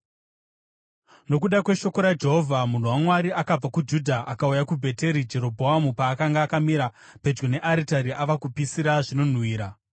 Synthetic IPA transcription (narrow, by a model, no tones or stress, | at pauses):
no̞k̬uɗakwe̞ʃo̞ko̞ɾad͡ʒe̞ɦovʱamun̤uwamwaɾiʔakab͡vakud͡ʒudʱaʔakaujakubʱe̞te̞ɾid͡ʒe̞ɾo̞bʱoɦamupaːkaŋɡaːkamiɾa | pe̞d͡ʒɡone̞ʔaɾitaɾiʔaʋakupisiɾaʐino̞n̤wiːɾa